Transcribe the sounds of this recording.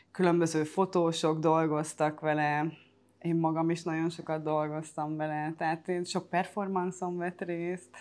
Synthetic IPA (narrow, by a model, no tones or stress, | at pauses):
kylømbøzøːfo̞t̪oːʃo̞ɡd̪o̞lɡo̞st̪ɒkʋɛlɛ | eːmːɒɡɒmiʃnɒɟo̞nʃo̞kɒd̪̚d̪o̞lɡo̞st̪ɒmvɛlɛt̪ɛɦaːt̪eːnʃo̞k̚pɛrfo̞rmɒnso̞ɱvɛt̪reːst̪